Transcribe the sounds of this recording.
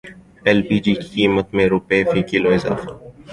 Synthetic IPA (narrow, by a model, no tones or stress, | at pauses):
ɛlbiːd͡ʒiːkikiːmət̪mẽɾʊpefiːkɪloɪza̰ːfa